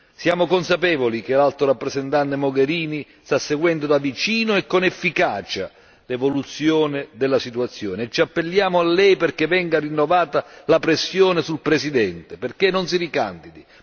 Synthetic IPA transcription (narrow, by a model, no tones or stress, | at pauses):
sjaːmokonsapɛːvolik̟elalt̪oɾapːɾezɛnt̪ant̪emoɡeɾiːnist̪asːeɡwɛnd̪od̪avit͡ʃiːnoɛkːonɛfːikaːt͡ʃa̰ | levolut̪sːjoːnɪd̪ɛlːasit̪uat̪sːjo̰ːneɛt͡ʃːiapːelːjaːmʊalːɛjperk̟evɛŋɡarinːovaːt̪alapɾesːjoːnesulpɾesid̪ɛnt̪eperkenːons̬iɾika̰nd̪id̪i